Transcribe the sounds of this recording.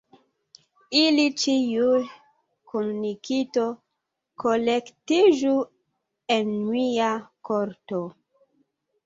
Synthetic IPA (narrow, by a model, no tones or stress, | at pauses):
ilit͡ʃiju | kʰomnikito | kolektid͡ʒu | enmiakoɾto